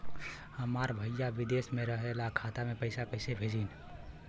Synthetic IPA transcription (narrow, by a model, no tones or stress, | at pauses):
həmaɾbʱəjjabid̪esmeɾəɦelakʰat̪amepəɪsapəsebʱed͡ʒin